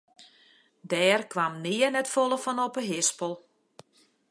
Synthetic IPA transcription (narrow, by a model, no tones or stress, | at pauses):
dɛːrkʋamnɪənɛtfolˠəfɔnɔpəɦɪspəlˠ